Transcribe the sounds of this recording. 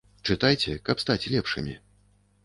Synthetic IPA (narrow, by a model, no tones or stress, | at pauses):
t͡ʂɨt̪ajt͡sʲɛkɐpst̪at͡sʲlʲɛpʂɨ̰mʲi